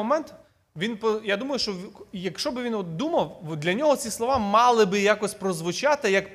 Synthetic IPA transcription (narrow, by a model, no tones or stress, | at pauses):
ɔmɛnt̪ | ʋʲinpɔjad̪umɐjʊʃt͡ʃɔjɐkʃt͡ʃɔbɪʋʲinɔt̪̚d̪umɐwd̪lʲɐnʲɔɦɔt͡sʲislˠɔʋɑmɑlˠɪbɪjakɔsʲpɾɔzʋʊt͡ʃɑt̪ɪjɐk